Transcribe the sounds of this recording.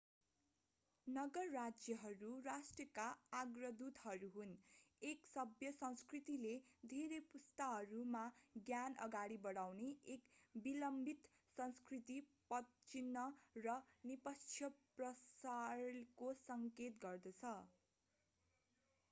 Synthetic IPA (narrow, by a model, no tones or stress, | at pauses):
nʌɡʌrːad͡zjʌɦʌɾurasʈrʌkaaɡrʌd̪ut̪ɦʌɾuɦuneksʌbjʌsʌ̃w̃skrit̪iled̪ʱeɾepust̪aɦʌɾumaɡjanʌ̰ɡaɽibʌɽawneekbilʌmbʱit̪ | sʌñskrit̪ipʌt̪t͡sinːʌrʌnipʌt͡sʰjʌprʌsarkosʌŋket̪ɡʌrd̪ʌt͡sʰʌ